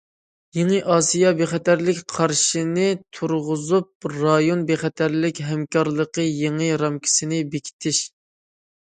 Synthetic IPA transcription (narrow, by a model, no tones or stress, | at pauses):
jeŋɨʔɑːsijɑbeχɛt̪æɾlɪkʲqʰɑɾʃinɪt̪ʰuɾʁʊzup̚ɾɑjonbeχɛt̪ʰæɾlɪkʲɦɛmkɑɾlˠəqəjeŋɨɾɑmkʲʰi̥sɪnɪbekʲʰi̥t̪ʰɪʃ